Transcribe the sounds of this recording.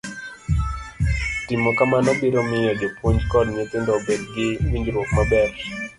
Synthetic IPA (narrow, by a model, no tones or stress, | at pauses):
tɪmɔkamanɔbiɾomɪjɔd͡ʒopwoɲd͡ʒkɔdɲetɪndɔbedɡɪwiɲd͡ʒɾwokmabɛɾ